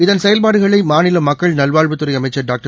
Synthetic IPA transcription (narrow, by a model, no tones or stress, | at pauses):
ɪðɐnsɛjɐlpaːɽɯɣɐɭɐɪmaːnɪlɐmɐkːɐɭnɐlʋaːɻʋɯt̪ːɯɾɐɪɐmɐɪt͡ʃːɐɖaːk̚ʈɐ